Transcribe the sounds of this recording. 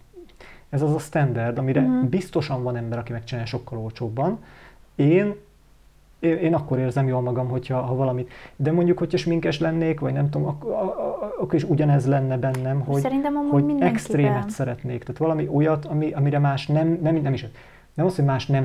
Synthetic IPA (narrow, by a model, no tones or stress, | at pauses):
ɛzɒzɒst̪ɛnd̪ɛrd̪ɒmiɾɛbist̪o̞ʃɒɱvɒnɛmbɛɾɒkimɛk̚t͡ʃinaːlʃo̞kːɒlo̞lt͡ʃoːbːɒneːn | eeːnɒkːo̞ɾeːrzɛmjoːlmɒɡɒmɦo̞chɒɦɒvɒlɒmit̪d̪ɛmoɲɟukhocʰhɒʃmiŋkɛʃlɛnːeːkʋɒɟnɛmt̪oːmɒkː | ɒkːoɾiʃuɟɒnɛzlɛnːɛbɛnːɛmɦo̞ɟɾinmoiɛkst̪reːmɛt̪sɛɾɛt̪neːkt̪aːt̪ʋɒlɒmiʔo̞jɒt̪ʰɒmiɒmiɾɛmaːʃnɛmnɛminɛmiʃɛt̪ | nɛmɒshoɟmaːʃnɛm